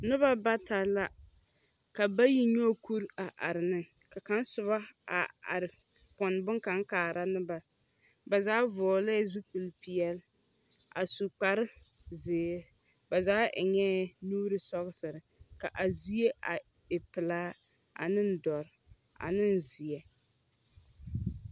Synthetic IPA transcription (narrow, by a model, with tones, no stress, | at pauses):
nɨ˦ba˦ba˦ta˨la˦ | ka˨ba˦ji˦ɲɔ˦ku˦ɾa˨ʔa˨ɾɪ˨nɨ˦ | ka˨ka˦n˦sʊ˨βa˦a˨a̰˨ɾɪ˨ | pɔ˨n˨bɨ˦ŋka˦ŋkaː˨ɾa˦nɨ˦ba˨ | ba˨zaː˦vɔː˨la˦˨zu˦pɨ˨lpi˨ɛ˦l | a̰˨su˨k͡pa˨ɾɪ˦ | zɪː˨˦ | ba˨zaː˦˨ɲɛ˦nuː˦ɾɨ˦sɔ˦ɣɨ˦sɨ˨ɾɨ˨ka˨ʔa˨zi˦e˦ʔa˨ | ɪ˨pɨ˨laː˦ | a̰˨nɨ˦n̩˦dɔ˨ɾ | a̰˨nɨ˦n˨zi˨ɛ˨